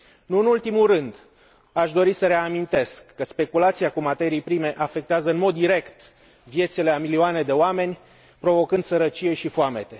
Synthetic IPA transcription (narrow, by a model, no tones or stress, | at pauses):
nuɨnult̪imurɨnd̪ | aʃd̪o̞ɾisəɾe̞amint̪e̞skːəspe̞kulat̪siakumat̪e̞ɾijpɾime̞ʔafe̞k̚t̪eazəɨnmo̞d̪ːiɾe̞kt̪ | vje̞t̪sileamilioane̞d̪e̞oame̞nʲ | pɾo̞vo̞kɨnd̪səɾət͡ʃije̞ʃifoame̞t̪e̞